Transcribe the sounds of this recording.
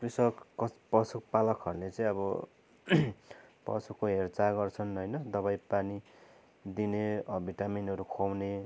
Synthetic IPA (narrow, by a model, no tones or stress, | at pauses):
prisʌkːʌpʌsukpalʌkɦʌɾulet͡sʌj̃ʌbʌ | pʌ̰sukoɦert͡saɡʌrt͡sʰʌnɦʌjnʌd̪ʌβajpani | d̪ineʌbʱiʈaminɦʌɾukʰowne